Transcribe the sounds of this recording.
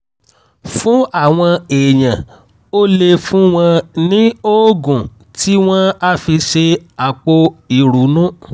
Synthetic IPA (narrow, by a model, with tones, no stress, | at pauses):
fũ˦a˦˨w̃ɔ̃˧e˨j̃ã˨ | o˦le˧fũ˦w̃ɔ̃˧nĩ˦o˦ɡũ˨ | ti˦w̃ɔ̃˦a˦fi˧ʃe˧a˨k͡po˧i˨ɾu˨˦nũ˦